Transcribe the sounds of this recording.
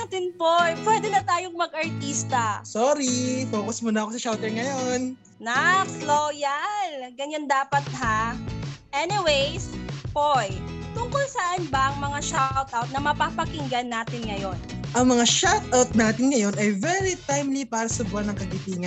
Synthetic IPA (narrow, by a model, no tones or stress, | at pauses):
at̪ɪnpojpwɛːd̪ɛnɐt̪aːjoŋmɐɡʔɐɹt̪ist̪ɐsoːɾifoːkɐsmonɐʔɐkosɐʃawt̪ɛɹŋɐjon | nɐkloːjalɡɐɲand̪aːpɐt̪̚ɦa | ʔɛnɪwejspojt̪ʊŋkʊlsɐʔanbɐʔɐŋmɐŋaʃawt̪̚ʔawt̪̚nɐmɐpɐpɐkɪŋɡɐnːaːt̪ɪnŋɐjo̞nʔɐŋmɐŋaʃat̪̚ʔawt̪̚naːt̪ɪnŋɐjo̞nɐjvɛɾit̪ajmlipaːɾɐsɐbʊanɐŋkɐɡit̪iːŋɐ